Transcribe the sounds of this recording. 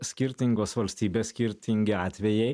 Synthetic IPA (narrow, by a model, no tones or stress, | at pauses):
sʲkʲɪɾʲt̪ʲɪŋɡoːsʋɐlʲsʲt̪ʲiːbʲeːsʲkʲɪɾʲt̪ʲɪŋʲɡʲɪɑːt̪ʲʋʲɛjɛɪ